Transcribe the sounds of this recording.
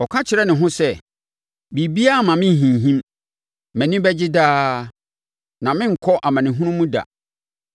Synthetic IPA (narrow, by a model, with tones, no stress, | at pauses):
ɔ˨kʰã˦t͡ɕʰɪ˨ɾɛ˦nɪ̃˨ɦʊ̃˦sɛ˦˨ | bi˨bi˦a˦˨mã˨mɪ̃˦˨ɦĩ˨nɦĩ˦m | mæ̃˨nĩ˦bɛ˦d͡ʑɪ˦daː˦ | nã˨mɪ̃˦ŋ̩˨kʰɔ˦ʔa˨mã˨nɪ̃˨ɦũ˦nũ˦mũ˦da̰˨